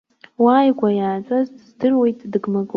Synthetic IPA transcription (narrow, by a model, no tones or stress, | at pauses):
waːjɡʷajaːt͡sʷʼazdzdɨrwe̞jtʼdɨɡmaɡʼ